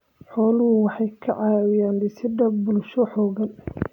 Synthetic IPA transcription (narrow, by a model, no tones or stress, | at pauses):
ħɔːlʊɦʊwɑħɑjkʰɐʕɑːwɪjaːnlɪsɪdɐbʊlʃɔħɔːɣɐn